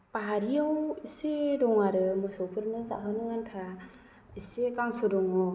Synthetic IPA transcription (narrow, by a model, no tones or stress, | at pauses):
paɦaɾiawisedɔŋaɾɯmɯsɔpʰɯɾnɯza̰ɦɯnɯŋantʰa | isekaŋsɔdɔŋɔ